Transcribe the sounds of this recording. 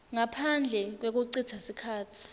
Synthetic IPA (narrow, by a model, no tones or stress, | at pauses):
ŋapʰand͡ɮʱɛk̬wek̬uǀitʰasikʰaːtʰi̥